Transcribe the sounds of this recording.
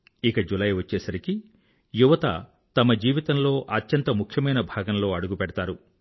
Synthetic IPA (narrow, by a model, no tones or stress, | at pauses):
ikɐd͡ʒulɐjʋɐt͡ʃːɛːsɐɾiki | juʋɐt̪ɐ̰ | t̪ɐmɐd͡ʒiːʋit̪ɐnlo̞ːʔɐtjɐnt̪ɐmukʰjɐmɐjnɐbʱaːɡɐnlo̞ːɐɽuɡupɛɽɐt̪aːɾu